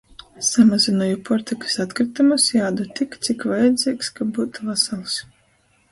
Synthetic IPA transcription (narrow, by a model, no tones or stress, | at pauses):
samazʲinɔjupɔɾt̪ʲikɨ̥sat̪kɾit̪amusjaːd̪ut̪ikt̪sikvajad̪zʲiːkskabuːt̪uvasalˠs